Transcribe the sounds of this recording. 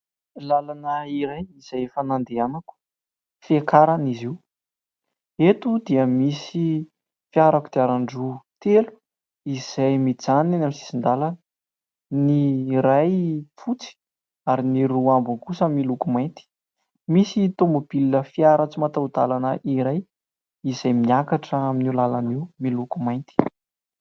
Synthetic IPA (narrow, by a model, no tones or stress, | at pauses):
lalanəiɾajiz̥ajfanand̪eanaku̥ | fekaɾaniziw | et̪ud̪iəmisi | fiaɾakud̪̥eaɾaɳɖ͡ʐut̪elu̥ | iz̥ajmid͡zananamisi̥sind̪alan | niɾajfut͡si̥ | aɾiniɾuambuŋkusamilukumajnt̪i̥ | misit̪ombubiliːəfiaɾat͡simat̪awd̪alanəʔiɾaj | izajmiakaʈ͡ʂəaminilalaniwmilukumajnt̪i̥